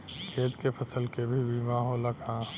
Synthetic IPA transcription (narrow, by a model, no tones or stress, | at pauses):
kʰeːt̪kepʰɐsəlkebʱibʱimaːɦoːləkãː